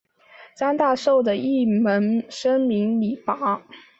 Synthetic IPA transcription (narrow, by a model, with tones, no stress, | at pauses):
t͡sa˥nt̪a˥˧ʂo˥˩ʊd̪ə˩i˥˩mə˧˥nʂə˥ŋmi˧˥ŋli˨˩pa˧˥